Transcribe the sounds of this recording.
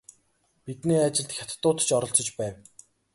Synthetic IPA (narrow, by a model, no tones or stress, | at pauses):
pit̪niːat͡ɕɪ̆ɮt̪xʲat̪t̪ːʊːt̪̆t͡ɕɔɾɞ̆ɬt͡sɞ̆t͡ɕpæːw